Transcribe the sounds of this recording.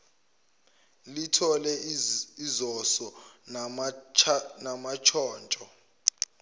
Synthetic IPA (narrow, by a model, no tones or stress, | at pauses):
litʰɔlɛizɔsɔ | namat͡ʃʰɔːnt͡ʃʼɔ